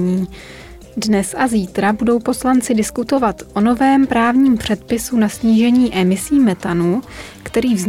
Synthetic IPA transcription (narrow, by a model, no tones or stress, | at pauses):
ɲiː | dnɛsʔaziːt̪ɾabudo̞wpo̞slant͡sɪdɪskut̪o̞vat̪ʔo̞no̞vɛːmpɾaːvɲiːmpr̥ɛt̪pɪsunasɲiːʒɛɲiːʔɛmɪsiːmɛt̪anu | kt̪ɛɾiːvz